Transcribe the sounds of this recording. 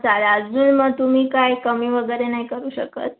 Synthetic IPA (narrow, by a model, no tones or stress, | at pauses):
t͡salaːd͡zd͡zuːnməɡ̚t̪um̤iːkajkəmiːʋəɡəjɾenaɦikəɾuːɕəkə̰t̪̚